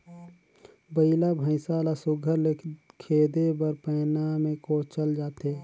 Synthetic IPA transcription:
bəɪlabʱə̃ɪsaːlasʊɡʱəɾlekʰeːd̪ebəɾpɛːnamẽkoːt͡ʃəld͡ʒaːt̪e

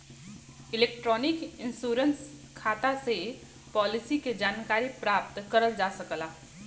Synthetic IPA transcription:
ɪleːk̚ʈɾɔːnɪkɪnsuːɾənskʰaːt̪ase | pɔːlɪsiked͡ʒaːnkaːɾipɾaːp̚t̪kəɾəld͡ʒaːsəkəlaː

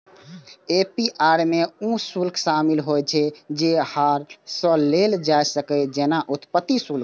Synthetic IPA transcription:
epiʔaɾmeũsulkʰsamilɦojt͡ʃʰɛd͡ʒehaɾsə̃leld͡ʒajsəkɛd͡ʒenaʔut̪pət̪ːisulk

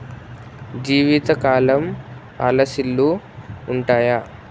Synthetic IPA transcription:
d͡ʒiːʋit̪ɐkaːlɐm | ɐ̰lɐsilːuː | ɳʈaːja

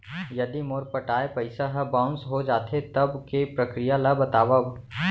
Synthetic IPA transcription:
jɐd̪imoɾpɐʈaːepɐɪsaɦɐbãːʊ̃nsɦod͡ʒaːt̪ʰet̪ɐbkepɾɐkɾijalabɐt̪aːʋəb

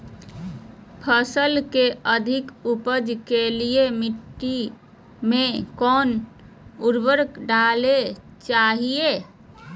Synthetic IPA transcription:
pʰəsəlkeʔəd̪ʱɪkupəd͡ʒkeliemɪʈːi | mẽkɔːn | uɾbəɾkɖaːle | t͡ʃaːɦie

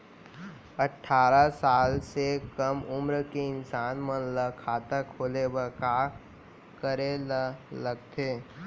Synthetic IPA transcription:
əʈʰːaːɾasaːlsekəmʊmɾkeɪnsaːnmənləkʰaːt̪əkʰoːlebəka | kəɾeləɡ̚t̪ʰeː

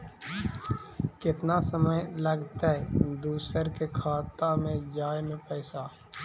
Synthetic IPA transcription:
kɪt̪naːsəməjləɡt̪eːd̪uːsəɾkekʰaːt̪amẽd͡ʒaːjmẽpɛɪsaː

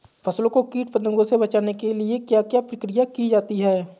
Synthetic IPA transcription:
pʰɐslõkokiːʈ̚pəd̪ə̃ŋɡõsebɐt͡ʃaːnekeliekjaːkjaːpɾəkɾɪjakid͡ʒaːt̪iɦɛː

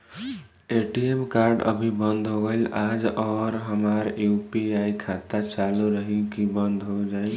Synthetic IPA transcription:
eʈiemkaɾɖə̰bʱibənd̪ʱɦoɡəɪlad͡ʒɔɾɦəmaɾjupiaikʰat̪at͡ʃaluɾəɦikibənd̪ʱɦod͡ʒaj

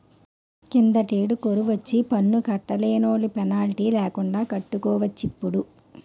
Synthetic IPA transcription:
kind̪ɐʈeːɖukoɾuʋɐt͡ʃːipɐnːukɐʈːɐleːnoːlupɛnaːliʈiːlɛːkuɳɖaːkɐʈːukɔːʋɐt͡ʃːipːuɽu

